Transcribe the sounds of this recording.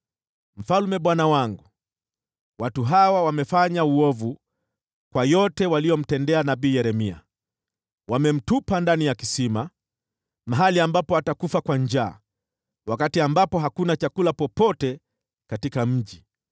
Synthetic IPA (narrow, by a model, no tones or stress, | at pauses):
m̩falmɛɓwanawaŋɡu | watuɦawawamɛfaɲauɔvu | kwajɔtɛwalijɔm̩tɛndɛanaɓiːjɛɾɛmia̰ | wamɛm̩tupandanijakisima | maɦaliambapɔatakufakwaɲd͡ʒaː | wakatiambapɔɦakunat͡ʃakulapɔpɔtɛ | katikam̩ʄi